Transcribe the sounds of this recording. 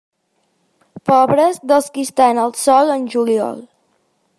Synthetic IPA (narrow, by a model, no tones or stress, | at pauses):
pɔβɾəzðəlˠskist̪anəlˠsɔlˠənʲʒuliɔ̰lˠ